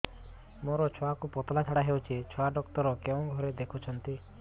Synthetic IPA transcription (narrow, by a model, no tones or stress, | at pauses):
moɾɔt͡ʃʰɔakupɔt̪ɔlat͡ʃʰaɽaɦewt͡ʃʰit͡ʃʰɔaɖɔkt̪ɔɾɔkeõɡʱɔɾed̪ekʰut͡ʃʰɔnt̪i